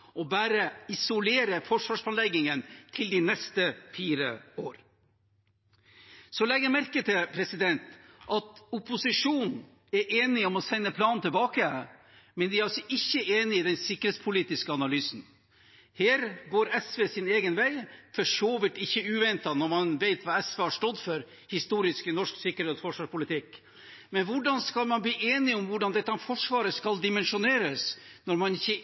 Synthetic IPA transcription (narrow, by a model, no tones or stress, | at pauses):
ɔbæːɾəɪsʊleːɾəfɔʂʋɑːʂpɑnlɛɡɪŋənt̪ʰɪld̪ɪnɛst̪əfiːɾə̰oːɾ | sɔlɛɡːəɾmæɾkət̪ʰɪlpʰɾɛsɪd̪ɛnt̪ʔɑt̪ʊpʊsɪʂuːn | ɛɾʔeːnɪɔmɔsɛnːəpʰlɑːnnt̪ʰɪlbɑːkə | mɛnd̪ɪæɾɑsɔʔɪçːəeːnɪiːd̪ɛnsɪkːɾheːt̪spʰʊliːt̪ɪskəɑnɑlyːsn̩ | heːɾɡoːɾɛsʋeːsɪneːɡənʋæɪfɔʂoːʋɪt̪ɪçːəʉːʋɛnt̪ɑnɔɾmɑnʋeɪt̪ʋɑːɛsʋeːhɑʂʈɔd̪ːfɔɾ | hɪst̪uːɾɪsknɔʂksɪkːəɾheːt̪sfɔʂʋɑːʂpʊlɪt̪ɪk | mɛnʋʊɖɑnskɑlmɑnbliːʔeːnɪɔmʋʊɖɑnd̪ɛt̪ːɑfɔʂʋɑːɾəskɑld̪ɪmɛnʂʊneːɾəsnɔɾmɑnɪçːə